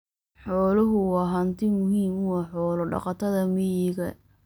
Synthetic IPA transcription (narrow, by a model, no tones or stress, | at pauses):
ħɔːlɐɦʊwɑːɦɐnt̪ʰɪmʊɦiːmwɑːħɔːlɔɖɑ̰qɑt̪ʰɐðɐmɪjɪɣɐ